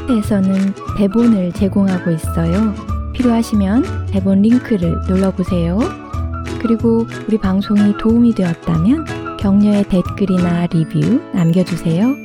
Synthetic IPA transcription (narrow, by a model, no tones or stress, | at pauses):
tʰeːsʰʌnɯnte̞bonɯɭt͡ɕe̞ɡoŋɦaɡois͈ʌjopʰiɾjoɦaɕʰimjʌnte̞bonɾiŋkʰɯɾɯɭnoɭːʌbosʰe̞jo | kɯɾiɡouɾipaŋsʰoŋitoumidweʌt̚t͈amjʌnkjʌŋɲʌe̞te̞t̚k͈ɯɾinaɾibjunamɡjʌd͡ʑusʰe̞jo